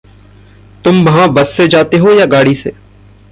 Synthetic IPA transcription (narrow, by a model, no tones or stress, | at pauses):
t̪ʊmʋɐɦãbɐsːed͡ʒaːt̪eɦojaɡaːɽisḛː